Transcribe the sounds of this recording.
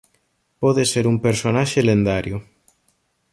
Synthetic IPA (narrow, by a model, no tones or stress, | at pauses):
pɔðeseɾumpeɾsonaʃelend̪aɾjʊ